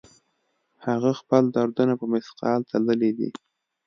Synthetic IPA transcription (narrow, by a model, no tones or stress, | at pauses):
haɣaxpəld̪aɾd̪ənapəmɪsqɑlt̪ʰaləlid̪ḭ